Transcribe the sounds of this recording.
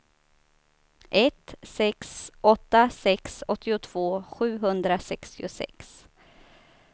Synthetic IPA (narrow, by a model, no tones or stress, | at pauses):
ʔɛt̪sɛksʔɔt̪ːasɛksɔt̪ʰːɪʊt̪ʰv̥oːɧʉ̟ːɦɵnd̪ɾasɛkst̪ɪʊsɛ̰ks